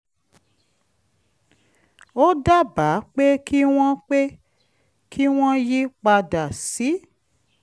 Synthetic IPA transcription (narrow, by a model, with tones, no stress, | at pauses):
o˦da˦ba˨˦k͡pe˦ki˦w̃ɔ̃˦k͡pe˦ | kʰi˦w̃ɔ̃˦ji˦k͡pa˧da˨si˨˦